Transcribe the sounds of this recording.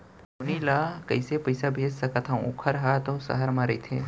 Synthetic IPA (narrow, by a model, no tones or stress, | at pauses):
onilaːkəɪsepəjsabʱeːd͡ʒsɐkat̪ʰãʊkʰəɾɦat̪õsɐ̰ɦəɾmãɾɐit̪ʰeː